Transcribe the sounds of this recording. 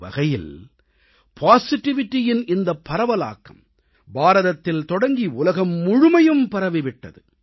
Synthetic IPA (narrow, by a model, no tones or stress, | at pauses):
ʋɐ̰ɣɐjɪl | pʰaːsɪʈːɪʋɪʈːɪjɪnʔɪnd̪ɐpːɐɾɐʋɐla̰ːkːɐ̰m | baːɾɐðɐt̪ːɪlt̪ɔɽɐŋɡiʊlɐɣɐmːʊɻʊmɐjɯmpɐɾɐʋɪʋɪʈːɐ̰ðɯ